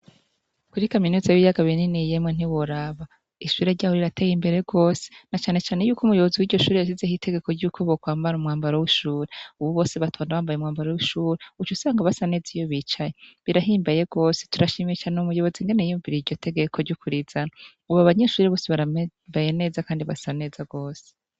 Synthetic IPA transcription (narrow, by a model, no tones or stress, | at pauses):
kuɾikaminuːzajijaɡaβininijemŋen̥iwoɾaβa | iʃuːɾe̞ɾɟaːhoɾiɾate̞ːjimbe̞ɾe̞ɡo̞ːse̥nat͡ʃaːne̞t͡ʃaːne̞juːkʰumujo̞βoziwiːɾɟo̞ʃuːɾejaʃ̬izehite̞ɡe̞ko̞ɾɟuːkʰoβokwaːmbaɾumŋaːmbaɾowiʃuːɾeuβuβo̞ːseβatʰoːndaβaːmbajeumŋaːmbaɾowuʃuːɾeut͡ʃusaːŋɡaβasane̞ːzijo̞βit͡ʃajeβiɾaɦiːmbajeɡ̥o̞ːse̥tuɾaʃiːmiet͡ʃaːneumujo̞βo̞ziŋɡe̞nejijuɱviɾiɾɟo̞tʰe̞ɡe̞kʰoɾɟukuɾiz̥ana | uβaβaɲe̞ʃuːɾeβoːseβaβajene̞ːzakaːndiβasane̞ːzaɡo̞ːse̥